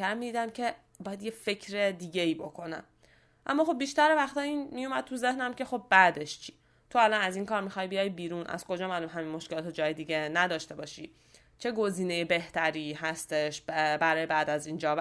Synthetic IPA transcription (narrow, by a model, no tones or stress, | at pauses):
æɾmiːd̪iːd̪æmcʰe̞ | bɒːjæd̪je̞fe̞cʰɾed̪iːɟeiːbo̞kʰonæ̰m | ʔæ̰mːɒːxo̞bbiʃt̪æɾevæxt̪ɒːiːnmijomæd̥̪̚t̪ʰuze̞hnæmce̞xo̞b̚bæd̪e̞ʃt͡ʃʰi̥ː | t̪ʰoælɒnæziːŋkɒːɾmixɒːjbijɒjbiːɾunʔæ̰z̥ko̞d͡ʒɒːmælumɦæminmo̞ʃkelɒːt̪ʰod͡ʒɒːjed̪iɟe̞næd̪ɒːʃt̪e̞bɒːʃḭː | t͡ʃʰe̞ɡo̞ziːnejebe̞ht̪ʰæɾiːhæst̪e̞ʃbæɾɒːjebæːd̪æziːnd͡ʒɒː